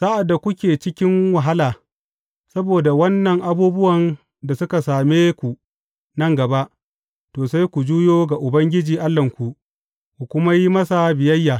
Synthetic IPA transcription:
sa˦ʔa˨dːa˨kʷʊ˦kʲeː˨t͡ʃɪ˦kʲɪ˦ŋwa˨ɦa˦laː˨ | sɐ˦boː˨da˨wɐ˦nːɐ˨ŋʔa˦buː˦bʊ˦wɐ˨n | da˨sʊ˦ka˨saː˨meː˦kʷu˨ | nɐ˦ŋɡɐ˨ba˦ʔ | toː˨sa˦jkʷu˨d͡ʒuː˦joː˦ɡa˨ʔʊ˨bɐ˦ŋɡʲɪ˦d͡ʒiː˨ʔa˦lːɐ˨ŋkʷu˨ʔ | kʷu˨kʷʊ˦ma˦ji˦mɐ˦sa˨bɪ˨jɐ˦jːaː˨

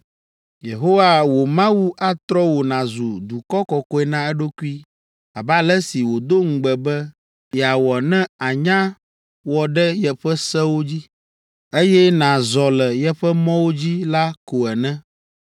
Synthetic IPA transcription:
je˨ɦo˦wa˨wo˨mã˦wu˦ʔa˦t̪ɾɔ˦wo˨nã˨zu˨d̪u˨kɔ˦kɔ˨kɔ˦ɛ˨nã˦ɛ˦ɖo˦ku˦i˦ | a˨ba˦lɛ˦si˨wo˨d̪o˦ŋ̩˨ɡ͡bɛ˨bɛ˦ | jɛ˨a˨wɔ˨nɛ̃˦a˨ɲã˦ | wɔ˨ɖɛ˦jɛ˨ɸɛ˦sɛ˦wo˦d͡ʑi˦ | e˦jɛ˦nã˨zɔ˨lɛ˨jɛ˦ɸɛ˦mɔ̃˦wo˦d͡ʑi˦la˦ko˨ɛ˨nɛ̃˦

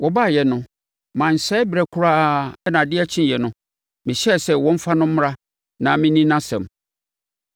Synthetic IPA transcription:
wɔ˦baː˦˨jɛ˨nʊ̃˦ | mã˨n̩˨ɕɛː˦bɛ˨kʰʊ˦ɾaː˦ɛ˦nã˨dɪ˦ɛ˦t͡ɕʰĩ˦˨jɛ˨nʊ̃˦ | mɪ̃˨ɕɛ˦˨sɛ˦wɔ̃˦m̩˦fa˦nʊ̃˦m̩˦m˦ɾa˦ | nã˨mɪ̃˦nĩ˦nã˦sɛ̰̃˨m

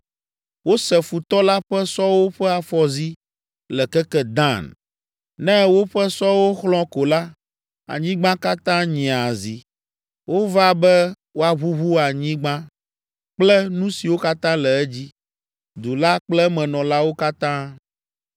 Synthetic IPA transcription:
wo˦sɛ˨fu˨t̪ɔ˦la˦ɸɛ˦sɔ˦wo˦ɸɛ˦a˨fɔ˨zi˦ | lɛ˨kɛ˦kɛ˦d̪ã˦˨n | nɛ̃˦wo˦ɸɛ˦sɔ˦wo˦xlɔ̃˦ko˨la˦ | a̰˨ɲĩ˦ɡ͡bã˦ka˦t̪ã˦ɲĩ˨a˨zi˨ | wʔo˦va˦bɛ˦ | wo˦a˨βu˦βu˦a˨ɲĩ˦ɡ͡bã˦ | k͡plɛ˦nũ˦si˨wo˦ka˦t̪ã˦lɛ˨ɛ˦d͡ʑi˦ | d̪u˨la˦k͡plɛ˦mɛ̃˨nɔ̃˨la˦wo˦ka˦t̪ã˦

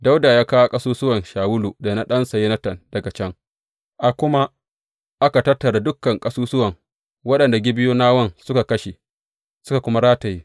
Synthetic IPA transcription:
da˦wda˨jaː˦ka˦wa˦kʼɐ˦suː˦sʊ˦wɐ˨nʃaː˨wʊ˦luː˨da˨na˦ɗɐ˦nsa˨ji˦nɐ˦tɐ˨nd̥ɐ˨ɡa˨t͡ʃɐ˦ŋ | ʔa˨kʷʊ˦ma˦ | ʔa˦ka˨tɐ˦rtːɐ˨ɾa˨dʊ˦kːɐ˨ŋkʼɐ˦suː˦sʊ˦wɐ˨ŋ | wɐ˦ɗɐ˨nda˨ɡʲɪ˦bɪ˦juː˦naː˦wɐ˦nsʊ˦ka˨kɐ˦ʃe˨ | sʊ˦ka˨kʷʊ˦ma˦ɾaː˦tɐ˨ji˦

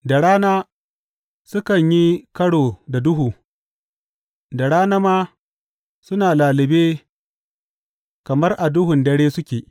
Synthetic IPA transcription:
da˨ɽaː˦naː˦ | sʊ˦kɐ˨ɲji˦kɐ˦ɽoː˨da˨dʊ˦ɦuː˨ | da˨ɽaː˦na˦maː˦ | sʊ˦naː˨laː˨lɪ˨beː˦ | kɐ˨mɐ˦rʔa˨dʊ˦ɦʊ˨ndɐ˦ɽeː˦sʊ˦kʲeː˨

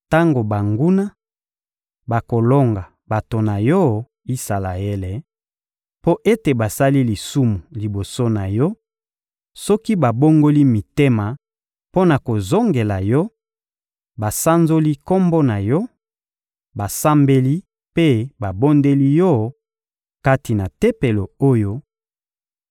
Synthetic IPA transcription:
ta˦ŋɡo˨ba˨ŋɡu˦na˦ | ba˨ko˨lo˦ŋɡa˨ | ba˨to˨na˨jɔ˦ | i˦sa˨la̰˨e˦le˨ | po˦ʔe˦te˨ba˨sa˦li˦li˨su˦mu˨li˨bo˨so˦na˨jɔ˦ | sɔ˦ki˦ba˨bo˦ŋɡo˦li˦mi˨te˦ma˨ | po˦na˨ko˨zo˦ŋɡe˨la˨jɔ˦ | ba˨sa˦nzo˦li˦ko˦mbo˦na˨jɔ˦ | ba˨sa˦mbe˦li˦ | pe˦ba˨bo˦nde˦li˦jɔ˦ | ka˦ti˨na˨te˦pe˨lo˨o˦jo˦

